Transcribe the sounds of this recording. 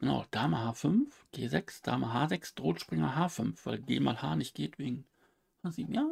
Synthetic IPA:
ɡ̥əna̰ʊd̥aːməɦaːfʏnfɡ̥eːzɛksd̥a̰ːməɦaːzɛksd̥ʁoːtʃpʁ̥ɪŋɐɦaːfʏnfv̥a̰ɪlɡḛːma̰ːlha̰ːnɪçt̚ɡ̥eːtv̥eːɡŋ̩ | haːziːbm̩jaː

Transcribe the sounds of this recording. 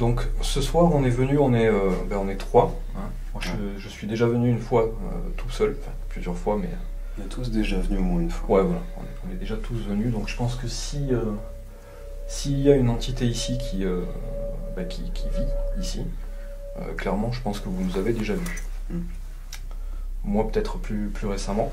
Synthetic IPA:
d̪ɔ̃ksəswaʁɔ̃nɛvənyɔ̃nɛøbaɔ̃nɛt̪χwa | ɛ̃ | mwaə | ʒəsɥid̪eʒavənyːnfwa | ø̰ | t̪ʰu̥sœlɑ̃fɛ̃plyzjœʁfwamɛ̰ø̰̃ | nɛt̪ʰus̬d̪eʒavənyomwɛ̃ynfwawɛvwala̰ɔ̰̃nɛɔ̃nɛd̪eʒat̪ʰusvənyd̪ɔ̃kʒ̥əpɑ̃skəsiø | siːljaynɑ̃t̪it̪eisikʲʰiø | bakʲʰikʲʰiviisi | ø̰klɛʁmɑ̃ʒəpɑ̃skəvunuzaved̪eʒavy | mwapø̥t̪ɛt̪χplyplyʁesamɑ̃

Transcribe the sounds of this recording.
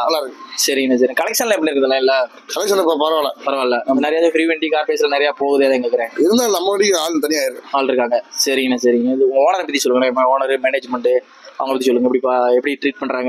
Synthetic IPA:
ɐlːaːɾɯksɐɾɪŋɡɐnɐs̬ɐɾɪŋɡɐkɐlɛkʂɐnlãːɛp̬ːɐɽiɾɯkːɐðɐlãːɪlːɐ | kɐlɐkʂɐnpɐpɐɾʋaːla̰pɐɾɐʋãlːanɐmnɪɾɐjaːðʊ̃fɾiːʋeɳɖikaːɾpeːs̬ɪlɐnɪɾɐjaːpoːɣɐðɐjaːðɐɛŋɡɐɾɯkːɯɾẽːɪðɯnd̪aːnɐmːɐʋɐɽiaːlt̪ɐnɪjaːɪɾɯkːɯaːlɾɯkːaːŋɡɐsɐɾɪŋɡɐnasɐɾɪŋɡɐɪðɯʊŋɡɐoːnɐɾɛpɐt̪ːisɔlːɯŋɡɐnaɪmaoːnɐɾɯmɛneːd͡ʒmɛɳɖɯ | ɐʋɐŋɐpɐt̪ːisɔlːɯŋɡɐɛpɐɽipːaɛpːɐɽiʈɾiːʈ̚pɐɳːɖɾaːŋɡɐ

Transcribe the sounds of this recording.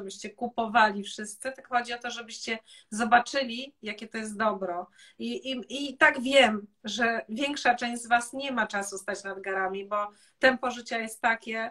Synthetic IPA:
bɘɕt͡ɕɛkupɔvalʲifʂɘst̪sɨt̪ɨkxɔd͡ʑiɔt̪ɔʐɛbɘɕt͡ɕɛzɔbat͡ʂɘlʲijakʲɛt̪ɔjɛst̪̚d̪ɔbɾɔ | iit̪aɡvʲjɛmʐɛvʲjɛŋkʂat͡ʂɛ̃w̃ʑd͡ʑzvasɲɛmat͡ʂasust̪at͡ɕnad̪ɡaɾamʲibɔ | t̪ɛmpɔʐɨt͡ɕajɛst̪ːakʲɛ

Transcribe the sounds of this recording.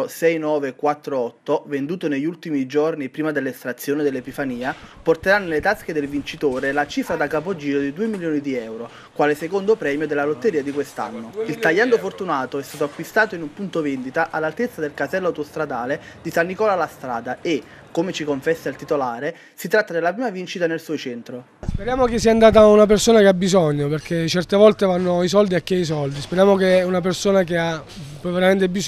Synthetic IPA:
sɛjnɔːvekwat̪ːɾoɔt̪ːovend̪uːt̪oneʎːult̪imid͡ʒornipɾiːmad̪elːest̪ɾat̪sːjoːnid̪elːepifaniːaport̪eɾanːlet̪ask̟ed̪elvint͡ʃit̪oːɾelat͡ʃifɾad̪akapod͡ʒiːɾod̪id̪uːemiljoːnid̪iɛwɾo | kwaːlesekond̪opɾɛːmjod̪elːalot̪ːeɾiːad̪ikwest̪a̰nːoilt̪aʎːand̪ofort̪unaːt̪oɛst̪aːt̪oakwist̪aːt̪oinumpunt̪ovend̪it̪aʔalːalt̪et̪sːad̪elkasɛlːawt̪ost̪ɾad̪aːled̪isanːikɔːlalast̪ɾa̰ːd̪ae | kːomet͡ʃikoɱfɛsːailt̪it̪olaːɾe | sit̪ɾat̪ːad̪elːapɾiːmavint͡ʃit̪anelsuɔjt͡ʃɛnt̪ɾo | speɾjaːmok̟esːiːand̪aːt̪̬aunap̬ersoːnakeabːizɔɲːoperk̟ʰet͡ʃɛrt̪evɔlt̪evanːois̬ɔld̪iakːeis̬ɔld̪ispeɾjaːmok̟eunap̬ersoːnak̟ea | pveɾament̪ebis

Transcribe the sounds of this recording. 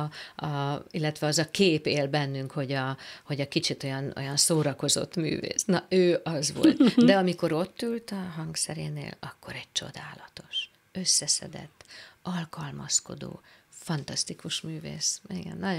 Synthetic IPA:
ɒilːɛt̪ʋɛɒzɒkeːpeːlbɛnːyŋkho̞ɟɒho̞ɟɒkit͡ʃit̪o̞jɒno̞̰jɒnsoːɾɒko̞zo̞̰t̪ːmy̰ːvḛːsnɒøːʔɒzʋo̞̰lt̪d̪ɛɒmiko̞ɾo̞t̪ːylt̪ɒɦɒŋɡsɛɾḛːnḛːlɒkːo̞ɾɛɟ̚t͡ʃo̞̰d̪aːlɒt̪o̞ʃ | ø̞sːɛsɛ̰d̪ɛ̰t̪ːɒlkɒlmɒsko̞̰d̪o̰ːfɒnt̪ɒst̪ikuʃmyːvḛːsiɡɛ̰nːɒ

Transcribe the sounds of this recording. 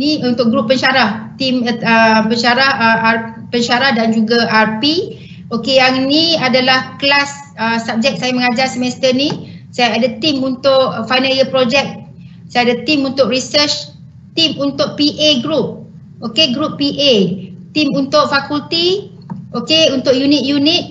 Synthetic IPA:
niunt̪ʊʔ̚ɡɾupːənʃaɾaht̪iməpəɲʃaɾahəʔa | pəɲʃaɾahdand͡ʒuɡaʔarpi | okejaŋnĩadalahklas | əsap̚d͡ʒɛk̚sajaməŋad͡ʒarsəmɛst̪ənisajaadat̪imunt̪ʊʔfajnəliəpɾod͡ʒɛk̚ | sajadat̪imunt̪ʊʔrisət͡ʃ | t̪imunt̪ʊʔ̚piʔeɡɾup̚ | ʔokeɡɾupːiʔet̪imunt̪ʊʔ̚fakult̪i | ʔokeunt̪ʊʔjunit̪̚junit̪̚

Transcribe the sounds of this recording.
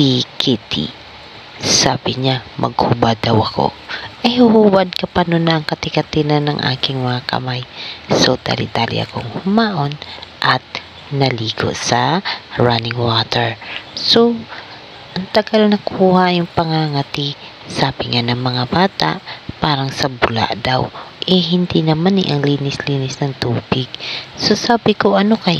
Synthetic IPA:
sikʰit̪ḭ | saːbɪɲamʔɐ̰ɡ̚hubad̪ɐwɐko̞̰ | ʔɐjhʊhuːbɐd̪̚kɐpɐnonɐʔɐŋkɐt̪ɪkɐt̪ɪnɐnːɐŋʔa̰ːkɪŋmɐŋakʰɐ̰majsot̪a̰lɪ̰t̪aːlɪ̰ʔɐ̰koŋhʊmaːʔo̞nʔɐt̪̚ | nɐliːko̰ʔsɐɹanɪŋwat̪ɛɹso̞ | ʔɐŋt̪ɐɡalnɐkʰuːhajʊŋpɐŋaŋɐt̪i | saːbɪŋanɐŋmɐŋabaːt̪a̰ʔpaːɾɐŋsɐbʊla̰ʔd̪awʔɛɦɪnd̪inɐmanɪ̰ʔɐŋliːnɪsliːnɪsnɐŋt̪uːbɪɡ̚sosaːbɪkoʔɐno̞kɐj

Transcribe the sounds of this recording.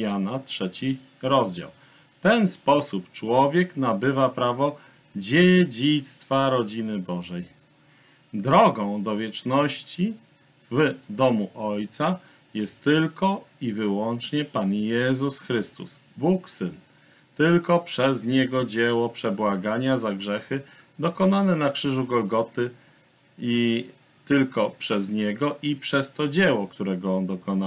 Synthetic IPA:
janatʂɛt͡ɕi | ɾɔzd͡ʑa̰w | ft̪ɛnspɔsupt͡ʂwɔvʲjɛknabɘvapɾavɔ | d͡ʑed͡ʑit̪st̪faɾɔd͡ʑinɘbɔʐɛj | d̪ɾɔɡɔ̃w̃d̪ɔvʲjɛt͡ʂnɔɕt͡ɕi | vd̪ɔmuʔɔjt̪sa | jɛst̪ːɘlkɔivɘwɔnt͡ʂɲɛpanjɛzusxɾɘst̪ṵs | buksɘn | t̪ɘlkɔpʂɛzɲɛɡɔd͡ʑɛwɔpʂɛbwaɡaɲazaɡʐɛxɘ | d̪ɔkɔnanɛnakʂɘʐuɡɔlɡɔt̪ɘ | i | t̪ɘlkɔpʂɛzɲɛɡɔʔipʂɛst̪ɔd͡ʑɛwɔkt̪uɾɛɡɔɔnd̪ɔkɔna

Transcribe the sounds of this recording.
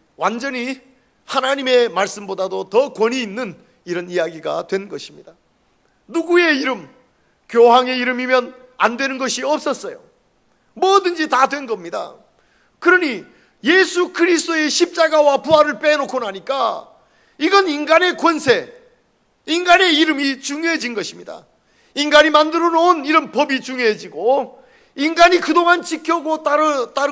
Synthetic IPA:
wand͡ʑʌɲi | hanaɲime̞maɭs͈ɯmbodadotʌkwʌɲiːnːɯn | iɾʌnijaɡiɡa̰dwe̞nɡʌɕʰimɲid̥a | nuɡue̞iɾɯm | kjoɦaŋe̞iɾɯmimjʌn | a̰ndwe̞nɯnɡʌɕʰiʌp̚s͈ʌs͈ʌjo̰ | mwʌdɯnd͡ʑitadwe̞nɡʌmɲida̰ | kɯɾʌni | je̞sʰukɯɾisʰt͈oe̞ɕʰip̚t͡ɕ͈aɡawapuɦaɾɯɭp͈enokʰonɦaɲik͈a̰ | iɡʌninɡane̞kwʌnsʰe̞ | inɡane̞iɾɯmit͡ɕuŋjoɦed͡ʑinɡʌɕʰimɲida̰ | inɡaɲimandɯɾʌnooniɾʌnpʌbit͡ɕuŋjoɦed͡ʑiɡo | inɡaɲikɯdoŋant͡ɕikʰjʌɡott͈aɯ

